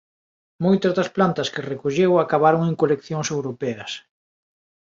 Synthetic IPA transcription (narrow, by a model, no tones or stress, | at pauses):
mojt̪ɐzðɐsplant̪ɐskɪrekoʎewakaβaɾoŋeŋkolekθjoŋsewɾopɛɐs